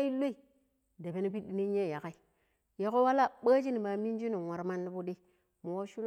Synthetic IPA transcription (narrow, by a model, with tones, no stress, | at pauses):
i˦lo˦i˨ | de˨be˨ni˦pi˦di˦ni˦ɲe˦˨ja˨ka˦i˨ | ja˨˦ko˦wa˦la˦˨ɓa˦d͡ʒi˦ni˨ma˨mi˦n˦d͡ʒi˦nu˨wa˨ɾma˦nːi˦bu˦di˦ | mu˨o˦ʃu˦l